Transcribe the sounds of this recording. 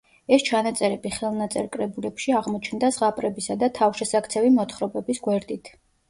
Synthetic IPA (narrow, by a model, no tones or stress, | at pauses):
ɛst͡ʃʰanat̪sʼɛɾɛbiχɛlˠnat̪sʼɛɾkʼɾɛbulɛpʃiaʁmɔt͡ʃʰnd̪azʁapʼɾɛbisad̪at̪ʰafʃɛsak̚ʰt̪sʰɛvimɔt̪ʰχɾɔbɛbisɡwɛɾd̪it̪ʰ